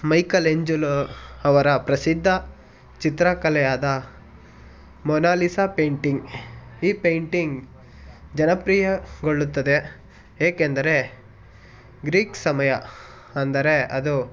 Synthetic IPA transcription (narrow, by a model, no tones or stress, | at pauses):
mɐjkɐleɲd͡ʒulɐʋɐɾɐpɾɐsid̪ʱːɐ | t͡ʃit̪ɾakɐlɛjaːd̪ɐ | mɔnaːlisɐpejɳʈiŋɡiːpejɳʈiŋɡ | d͡ʒɐnɐpɾiːjɐɡoɭːut̪ːɐd̪e | eːkend̪ɐɾe̞ | ɡɾiːksɐmɐjɐ | ɐnd̪ɐɾe̞ɐd̪u